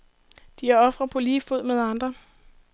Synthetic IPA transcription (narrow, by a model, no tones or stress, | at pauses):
d̥iæɐɒ̽fʁɐpʰɒ̽liːfo̝ð̞̰ˠmeð̞ˠɑ̈nd̥ʁɐ